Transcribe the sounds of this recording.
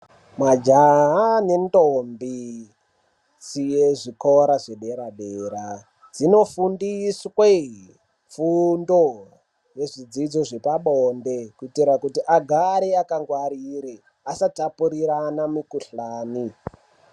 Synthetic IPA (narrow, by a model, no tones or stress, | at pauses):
mad͡ʒaɦane̞ndombi | zijeʐikoɾaʐeɗe̞ɾaɗeɾa | d͡zino̞fundiswe | fundo̞ | je̞ʐid͡zid͡zoʐe̞paɓonde̞kuitiɾakutiʔaɡʱaɾeakaŋɡwaɾiɾi | asatapuɾiɾanamikuɬaːni